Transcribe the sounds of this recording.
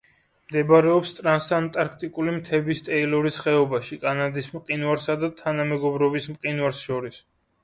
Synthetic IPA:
md̪ɛbaɾɛɔpst̪ʼɾansant̪ʼaɾkʰt̪ʼikʼulimt̪ʰɛbist̪ʼɛilɔɾisχɛɔbaʃikʼanad̪ismqʼinwaɾsad̪at̪ʰanamɛɡɔbɾɔbismqʼinwaɾsʃɔɾis

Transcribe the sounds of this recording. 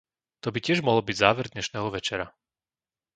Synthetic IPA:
t̪ɔbicɪɛʒmɔɦɔlbiɟzaːʋɛɾd̪ɲɛʃnɛːɦɔʋɛt͡ʃɛɾa

